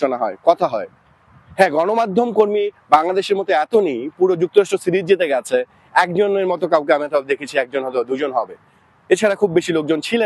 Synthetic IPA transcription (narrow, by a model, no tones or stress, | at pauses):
onaɦɔekɔt̪ʰaɦɔe | hɛ̃ɡɔnomad̪ʱːomkoɾmibaŋlad̪eʃeɾmɔt̪oɛt̪onejpuɾod͡ʑuk̚t̪oɾaʃʈosiɾid͡ʑet̪eɡɛt͡ɕʰe | ɛkd͡ʑoneɾmɔt̪okawk̬eamiat̪ɔb̚d̪ekʰet͡ɕʰiɛk̚d͡ʑonɦɔt̪od̪ud͡ʑonɦɔbe | et͡ɕʰaɾakʰubːeʃilok̚d͡ʑont͡ɕʰile